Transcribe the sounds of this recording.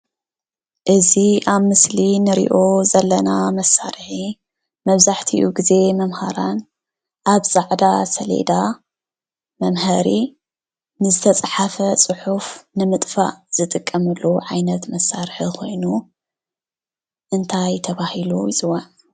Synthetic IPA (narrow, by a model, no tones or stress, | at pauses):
ʔɨziʔaβmɨslinɨɾḭʔo̞zɐlːɐnamɐsːaɾħi | mɐβzaħt̪ʰiʔuɡize̞mɐmhaɾan | ʔaβzʼaʕd̪asɐlḛd̪a | mɐmhɐɾi | nɨzɨt̪ʰɐt͡sʼħafɐt͡sʼɨħufnɨmɨt̪ʼfa̰ʔz̥ɨt̪ʼɨkʼːɐmɨlːuʕajnɐt̪mɐsaɾħiko̞jnu | ʔɨnt̪ʰajt̪ʰɐβahiluzʼɨwan